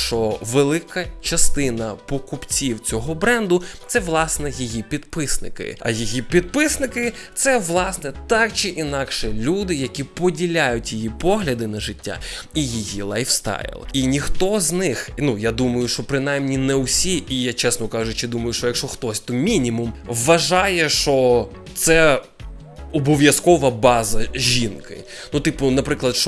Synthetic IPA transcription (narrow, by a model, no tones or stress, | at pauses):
t͡ʃɔʋelˠɪkɐt͡ʃɐst̪ɪnɐpɔkʊpt͡sʲiwt͡sʲɔɦɔbɾɛnd̪ʊt̪sɛʋlˠɑsnɛjijipʲid̪pɪsnɪ̰kɪ̰ɐ̰jijipʲid̪̚pɪsnɪkɪ | t̪sɛʋlˠɑsnɛt̪ɑkt͡ʃɪʔinɑkʃɛlʲud̪ɪjɐkʲipɔdʲilʲajʊtʲjijipɔɦlʲɐd̪ɪnɐʒɪtʲːa̰ijijilˠajfst̪ɑ̰jɪ̰lˠinʲixt̪ɔznɪxnujad̪umɐjʊʃɔpɾɪn̪ajmnʲinɛwsʲiʔijat͡ʃɛsnɔkɑʒʊt͡ʃɪd̪umɐjʊʃt͡ʃɔjɐkʃɔxt̪ɔsʲt̪ɔmʲinʲimumʋɐʒɑjɛʃt͡ʃɔ | t̪sɛ | ɔbɔʋʲjɐskɔʋɐbɑzɐʒʲinkɪ̰ | nut̪ɪpʊnɐpɾɪklˠɐd̪ʃɔ